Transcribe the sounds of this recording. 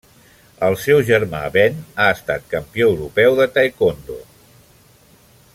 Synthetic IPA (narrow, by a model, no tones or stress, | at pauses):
əlˠsɛwʒəɾma̰βɛnaəst̪at̪̚kəmpioəwɾupɛwðət̪ajkond̪o̰